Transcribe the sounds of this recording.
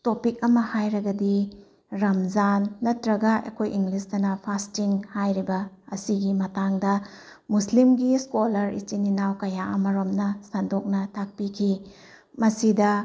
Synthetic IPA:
topik̚ɐmɐhajɾɐɡɐdi | ɾɐmzanːɐtɾɐɡɐʔɐ̰kʰojiŋɡlisdɐnɐpʰastiŋhajɾibɐɐsiɡimɐtaŋdɐ | muslimɡiskolɐɾḭt͡ʃininawkɐjaʔɐmɐɾomnɐsɐndok̚nɐtʰak̚pikʰi | mɐsidɐ

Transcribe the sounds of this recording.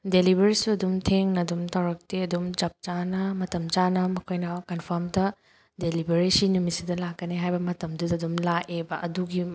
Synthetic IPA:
delibeɾisuɐdumtʰeŋnɐdumtʰɐwɾɐk̚tiɐdumt͡ʃɐp̚t͡ʃanɐmɐtɐmt͡ʃanɐmɐkʰojnɐkɐnpʰɐmdɐ | delibeɾisinumisidɐlakːɐniɦajbɐmɐtɐmdudɐdumlaʔebɐʔɐ̰duɡi

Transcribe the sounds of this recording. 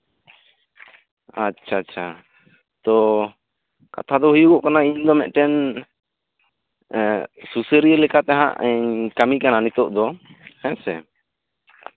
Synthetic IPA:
at͡ʃʰat͡ʃʰa | t̪ɔ | ka̰t̪ʰad̪ɔɦujukɔʔkanaiɲd̪ɔmɛ̰ʔʈɛn | susəɾiəlɛkat̪ɛɦã̰ʔɛɲkamikananit̪ɔʔd̪ɔɛsɛ

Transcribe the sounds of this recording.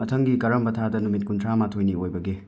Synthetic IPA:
mɐtʰɐŋɡikɐɾɐmbɐtʰadɐnumit̚kuntʰɾamatʰojniojbɐɡe

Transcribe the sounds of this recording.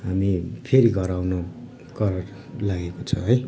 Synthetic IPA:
ɦamipʰeɾiɡʱʌɾawno | kʌɾʌr | laɡekot͡sʰʌɦʌj

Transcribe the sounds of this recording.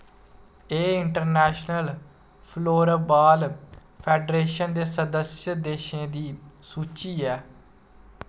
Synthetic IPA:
eːɪɳʈəɾnɛːʃnəl | pʰloːɾabaːl | pʰɛːɖɾeːʃənd̪eːsəd̪əsjəd̪eːʃẽːd̪iːsuːt͡ʃiːɛː

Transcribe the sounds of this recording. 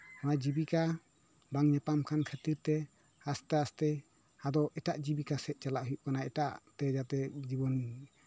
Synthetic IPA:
ɔnad͡ʒibika | baŋɲɛpamkʰankʰət̪iɾt̪ɛ | ast̪ɛast̪ɛ | ad̪ɔɛʈaʔd͡ʒibikasɛt̪̚ˀt͡ʃalaʔɦujuʔ̚kanaɛtaʔt̪ɛd͡ʒat̪ɛd͡ʒibɔn

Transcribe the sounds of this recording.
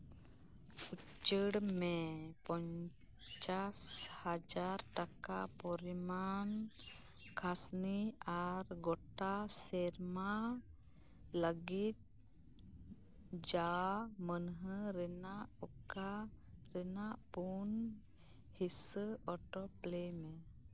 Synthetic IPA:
fu | t͡ʃəɽmɛpɔɲ | t͡ʃashad͡ʒaɾʈakapɔɾiman | kʰasniaɾɡɔʈasɛɾma | ləɡit̪̚ | d͡ʒamənɦəɾɛnaɔka | ɾɛnaʔpun | hisəɔʈɔplemẽ

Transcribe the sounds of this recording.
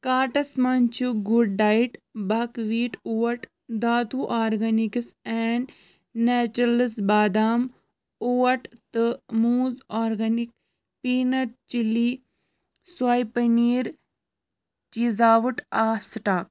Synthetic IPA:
kaːʈɐsmɐnt͡ʃuɡuɖːaːjiʈbɐkʋiːʈuːwɐʈ | d̪aːt̪uʔaːɾɡɐniksɛːɳɖ | nɛːt͡ʃɾɐləsbaːd̪aːm | uːɐʈt̪ɨmuːzaːɾɡɐnik̚ | piːnɐɾt͡ʃilːi | swaːjpɐniːɾ | t͡ʃizaːʋuʈaːfsʈaːk̚

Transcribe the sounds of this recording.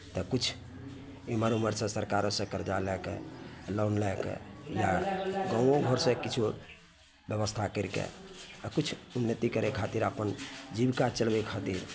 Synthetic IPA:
t̪əkut͡ʃʰ | eməɾuməɾsə̃səɾkaɾosə̃kəɾd͡ʒalɛkḛlonlɛkḛjaɡɔ̃oɡʱoɾsə̃kit͡ʃʰu | bjəβəst̪ʰakəɾkḛkut͡ʃʰunːət̪ikəɾekʰat̪iɾapənd͡ʒibkat͡ʃəlbekʰat̪iɾ

